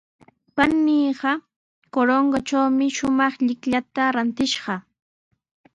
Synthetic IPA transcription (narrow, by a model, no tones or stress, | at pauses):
panːiːɢɑ | koɾoŋɡat͡ʃawmɪʃʊmɑχʎɪkʎat̪aɾant̪ɪʃɢɑ